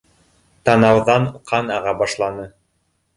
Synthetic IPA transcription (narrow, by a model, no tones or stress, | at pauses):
t̪ɑnɑwðɑɴqʰɑnɑʁɑbɑʃlˠɑnɤ